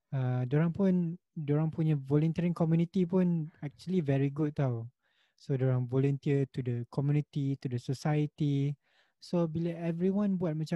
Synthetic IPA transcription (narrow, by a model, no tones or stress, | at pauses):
adoɾãŋpʊ̃ndoɾãŋpuɲavɔlɔ̃nt̪iəɹĩŋkɔmjunit̪ipʊ̃nɛk̚t͡ʃuəlivɛɹiɡut̚t̪aw | sodoɾãŋvɔlɔ̃nt̪iət̪udəkʰɔmjunit̪it̪udəsosajət̪i | sobiləɛvɹiwãnbuat̚mat͡ʃã